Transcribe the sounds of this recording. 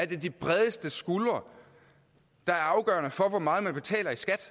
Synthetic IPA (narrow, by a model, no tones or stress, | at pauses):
æɐd̥e̝d̥ib̥ʁɛðˠəsd̥əsɡ̥ulɐ | d̥ɑ̈æɐɑ̈ʊɡ̥ɶːɐnəfɒ̽ʋɒmɑ̈ːð̩ˠmænb̥e̝t͡sʰɛ̰ːlɐisɡ̥æd̥